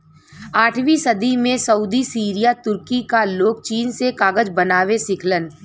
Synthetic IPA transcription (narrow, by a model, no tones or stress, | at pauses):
aːʈʰʋisɐd̪imẽsɐuːd̪isiːɾijat̪ʊɾkikaloːk̚t͡ʃiːnsekaːɡəd͡ʒbɐnaːʋesɪkʰlən